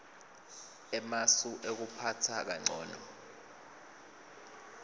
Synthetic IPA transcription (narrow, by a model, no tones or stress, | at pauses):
ɛmasuʔek̬upʰatʰak̬aŋ͡ǀʱɔ̰ːnɔ̰